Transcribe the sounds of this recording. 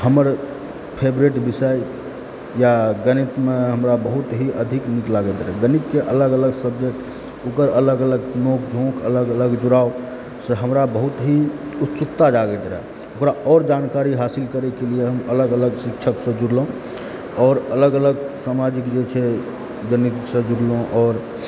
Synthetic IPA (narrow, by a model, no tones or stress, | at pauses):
həməɾ | pʰebɾeʈbisəj | jaɡənit̪meɦəmɾabəɦut̪ɦiʔəd̪ʱikniklaɡɛd̪ɾɛɡənikːeʔələɡələɡsəbd͡ʒek̚ʈ | okəɾələɡələɡnokd͡ʒʱõkʰələɡələɡd͡ʒuɾao | seɦəmɾabəɦut̪ɦiut̪t͡ʃukt̪ad͡ʒaɡɛd̪ɾɛ̰ | okɾaʔɔːɾd͡ʒankaɾiɦasilkəɾɛkelieɦəmələɡələɡsik̚t͡ʃʰəksə̃d͡ʒuɾlõ | ɔːɾələɡələɡsamad͡ʒikd͡ʒet͡ʃʰɛ | d͡ʒənit̪sə̃d͡ʒuɽloõʔɔːɾ